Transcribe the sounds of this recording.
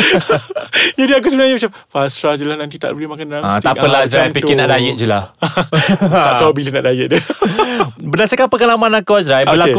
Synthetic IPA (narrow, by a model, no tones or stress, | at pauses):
d͡ʒadiak̬usəbənaɲabət͡ʃappasɾad͡ʒəlahnãnt̪it̪a̰ʔbəlemãkanɾaŋat̪iaəlazɾajpit̪ɪnaʔdajəʔ̚d͡ʒəlah | aʔ̪awbilənaʔdajəʔ̚də | bənasakapəkalamãnakazɾajbəlau